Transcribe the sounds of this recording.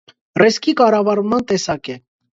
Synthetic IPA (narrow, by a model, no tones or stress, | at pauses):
rɛskikɑrɑvɑɾmɑnt̪ɛsɑkɛ